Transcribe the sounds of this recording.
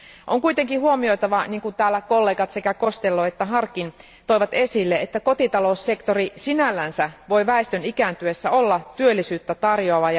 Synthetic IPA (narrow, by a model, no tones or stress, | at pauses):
ʔo̰ŋkujt̪e̞ŋkihuo̞mio̞jt̪ɑʋɑniːŋkunt̪æːlːæko̞lːe̞ːɡɑt̪se̞kæko̞st̪elːoet̪ːæɦɑrkːˑin | t̪o̞jʋɑt̪e̞silːeet̪ːæko̞t̪it̪ɑlo̞usːe̞kt̪o̞risinælːænsæʋo̞jʋæest̪ønikænt̪yesːæo̞lːɑt̪yølːisyːt̪ːæt̪ɑrjoɑʋɑjɑ